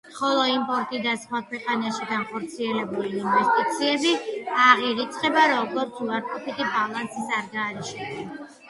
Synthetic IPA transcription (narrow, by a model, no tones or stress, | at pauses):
χɔlˠɔimpʼɔɾt̪ʼid̪asχwakʰwɛqʼanaʃiɡanχɔɾt̪sʰiɛlɛbuliːnvɛst̪ʼit̪sʰiɛbiaʁiɾit̪sʼqʼɛbaɾɔɡɔɾt̪sʰuaɾkʼɔpʰit̪ʼibalˠansisaɾɡaːɾiʃɛd̪ɛ